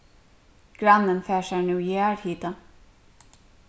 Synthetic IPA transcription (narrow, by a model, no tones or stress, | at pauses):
ɡ̥ɾanːənfɛːʃaɹnuːjæːɹhiːt̪a